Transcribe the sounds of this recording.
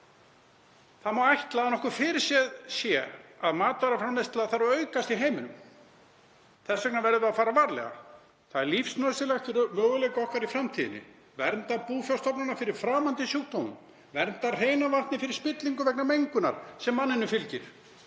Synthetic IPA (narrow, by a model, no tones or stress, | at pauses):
θaðmawajht̪laanɔhkʏfɪɾɪɾ̥sjɛðsjɛaðmaːt̪aɾafɾamnejst̪laθaɾaœːɥkast̪iɦeːjmʏnʏm | θɛsːœknavɛɾðʏaðfaːɾavaɾlɛ̰ɣa̰ | θaðɛɾlifsnœsɪlat̪ɪɾmœːɣʏlejkɔhkaɾifɾamt̪ʰiːðɪnɪ̰ | vɛɾnt̪apuːfjawst̪ɔpnanafɪɾɪɾ̥fɾaːmant̪ɪsjuwt̪ownʏ̰m | vɛɾnt̪ar̥eːjnavart̪nɪfɪɾɪɾ̥spɪt̪liŋkʏvɛknamejŋkʏna̰ɾ̥sɛmːanːɪnʏfɪlcɪɾ̥